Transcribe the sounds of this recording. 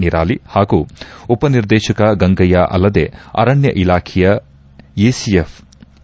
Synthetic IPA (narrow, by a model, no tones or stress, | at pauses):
niɾaːlihaːɡuupɐniɾd̪eːʃɐkɐɡɐŋɡɐjaʔɐ̰lːɐd̪eɐ̰ɾɐɳjɐʔilaːkʰijɐ | jeːsiefʰ